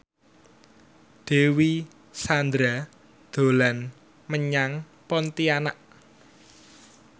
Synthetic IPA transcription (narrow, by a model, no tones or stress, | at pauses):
d̪̥e̤wi | sand̪ɾa | d̪̥o̤lan | məɲaŋ | pɔnt̪ianaʔ